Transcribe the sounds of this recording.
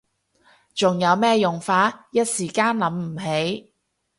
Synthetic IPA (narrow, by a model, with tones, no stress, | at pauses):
t͡sʊ˨ŋjɐ˨˧wmɛː˥jʊ˨ŋfaː˨˥jɐ˥t̚siː˨˩kaː˥nlɐ˨˥mm̩˨˩ɦe˨˥j